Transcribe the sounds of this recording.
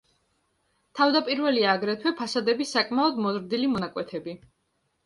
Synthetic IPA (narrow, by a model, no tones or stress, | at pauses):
t̪ʰavd̪apʼiɾvɛliaːɡɾɛt̪ʰwɛpʰasad̪ɛbisakʼmaɔd̪mɔzɾd̪ilimɔnakʼwɛt̪ʰɛbi